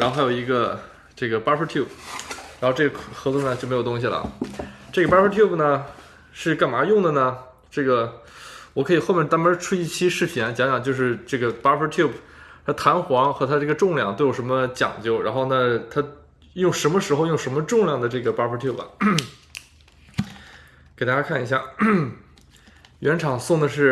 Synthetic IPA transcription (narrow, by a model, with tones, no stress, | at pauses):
ɻa˧˥xo˥˧˩xa˥jo˨˩ʊi˧˥ɡə˧ | ʈ͡ʂɤ˥˩ɡə˩pa˥pʰə˧˥t̪ʰju˥˩p̚ʰɻa˧˥xʈ͡ʂɤ˥˩ɡə˩xɤ˧˥t͡swɔ˥˩nə˩t͡ɕjo˥˩me˧˥ɪo˨˩t̪ʊ˥ŋɕ̬i˨˩lə̰˩ʈ͡ʂɤ˥˩ɡə˩pa˥pʰə˥t̪ʰju˥˩pnə˩ | ʂɻ̩˥˧ka˥˩nma˧˥jʊ˥˩ŋd̪ə˩nə˩ | ʈ͡ʂɤ˥˩ɡə˩ | wɔ˨˩kʰɤ˧˥i˨˩xo˥˧ʊmʲjɛ˥˩t̪a˥mə˧˥ʈ͡ʂʰu˥i˥˩t͡ɕʰi˥ʂɻ̩˥˩pʰjɛ˧˥nt͡ɕjɑ˧˥ŋt͡ɕjɑ˨˩ŋt͡ɕjo˥˧ʊʂɻ̩˥˧ʈ͡ʂɤ˥˩ɡə˩pa˥pʰə˧˥t̪ʰju˥˩pʰt̪ʰa˥t̪ʰa˧˥nxwɑ˧˥ŋxɤ˧˥t̪ʰa˥ʈ͡ʂɤ˥˩ɡə˩ʈ͡ʂʊ˥˧ŋljɑ˥˩ŋt̪o˥˩jo˨˩ʂə˧˥mə˧t͡ɕjɑ̰˨˩ŋt͡ɕjo˥˩ʊɻa̰˧˥nxo˥˧ʊna˥˩t̪ʰa˥ | jʊ˥˩ŋʂə˧˥nmə˧ʂɻ̩˧˥xo˧ʊjʊ˥˩ŋʂə˧˥nmə˧ʈ͡ʂʊ˥˧ŋljɑ˥˩ŋd̪ə˩ʈ͡ʂɤ˥˩ɡə˩pa˧˥pʰə˧˥t̪ʰju˥˩p | ke˨˩t̪a˥t͡ɕja˥kʰa˥˩ni˧˥ɕja̰˥˩ | ɥɛ˧˥nʈ͡ʂʰɑ˨˩ŋsʊ˥˩ŋd̪ə˩ʂɻ̩˥˩